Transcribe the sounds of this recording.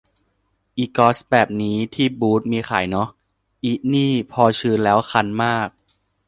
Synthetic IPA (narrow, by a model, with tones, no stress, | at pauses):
ʔiː˨˩kɔː˦˥sbɛː˨˩p̚niː˦˥t̪ʰiː˥˩buː˦˥t̪̚miː˧xa̰ː˩˦jnɔ˦˥ | ʔiː˦˩niː˥˩pʰɔː˧t͡ɕʰɯː˧nlɛː˦˥wxʰa˧nmaː˥˩k̚